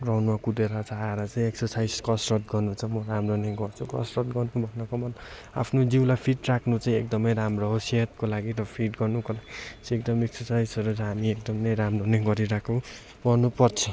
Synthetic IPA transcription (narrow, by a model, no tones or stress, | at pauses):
rʌɦnumakud̪eɾʌt͡sʰaaeɾʌt͡saĩeksʌrsajd͡zkʌsrʌt̪̚ɡʌrnut͡sʰʌmʌɾamroneɡʌrt͡sʰukʌ̰srʌt̪ɡʌrt͡sʰũbʱʌnːʌkʌmʌn | a̰pʰnod͡ziwlapʰiʈrakʰnut͡saĩek̚d̪ʌmʌjɾamrʌɦoset̪̚kolaɡiɾʌpʰiʈɡʌrnukolaɡisekd̪ʌmeksʌrsajsʌɾut͡sʌɦamiek̚d̪ʌmnejɾamroneɡʌɾiɾakʰo | ɡʌrnupʌrt͡sʰʌ